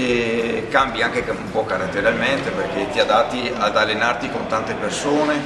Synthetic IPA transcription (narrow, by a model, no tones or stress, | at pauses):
ekambiaŋkeumpɔkaɾat̪ːeɾalment̪eperket̪iad̪at̪ːiad̪alːenart̪ikont̪ant̪epersoːne